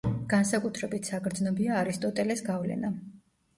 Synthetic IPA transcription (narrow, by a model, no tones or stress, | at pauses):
ɡ̥ansakʼut̪ʰɾɛbit̪ʰsakʰɾd̪znɔbiaːɾist̪ʼɔt̪ʼɛlɛsɡavlɛ̰na